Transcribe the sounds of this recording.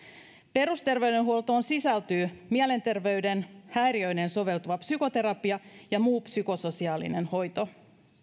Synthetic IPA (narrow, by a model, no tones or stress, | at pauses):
pe̞ɾust̪e̞rʋe̞ydenɦuolt̪oːnsisælt̪yːmiæle̞nt̪e̞rʋe̞yde̞nhæjɾiøjneːnso̞ʋe̞lt̪uʋɑpsyko̞t̪e̞ɾɑpiɑjɑmuːpsyko̞so̞siɑːlḭne̞nho̞jt̪o̞